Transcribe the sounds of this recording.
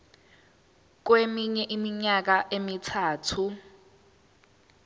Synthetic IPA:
k̬wemiɲɛʔimiɲak̬aʔemitʰaːtʰu

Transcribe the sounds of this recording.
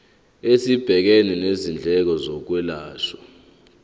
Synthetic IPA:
esib̥ʱɛk̬enɛnezind͡ɮʱɛk̬ɔzɔk̬wɛlaːʃɔ̥

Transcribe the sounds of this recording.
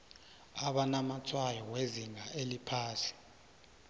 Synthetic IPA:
aɓanamat͡sʰwajɔweziŋaʔelipʰaːsi̥

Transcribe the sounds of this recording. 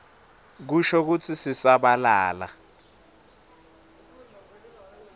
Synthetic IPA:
k̬uʃɔk̬ut͡sʰisisaɓalaːla̰

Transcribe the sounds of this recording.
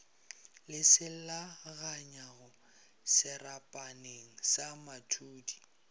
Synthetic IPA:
lɪsɪl̩laɣaɲaɣʊ | sɪrapʼaneŋ̩samatʰuːdi̥

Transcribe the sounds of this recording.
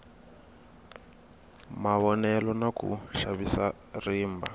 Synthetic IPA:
maβɔnɛlɔnakṵʃaβisa | riːmba

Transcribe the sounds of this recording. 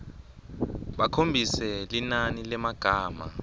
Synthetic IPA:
ɓakʰombʱisɛlinanilɛmaɡ̥ʱaːma̰

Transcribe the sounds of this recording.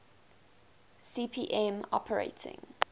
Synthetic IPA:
siːpʰiːʔɛ̃mɔ̰pʰəɹḛɪtʰɪ̰̃ŋ

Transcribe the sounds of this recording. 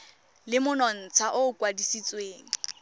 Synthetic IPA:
lɪmʊnɔn̩t͡sʰaʔʊkwadisit͡sʼweːŋ̩

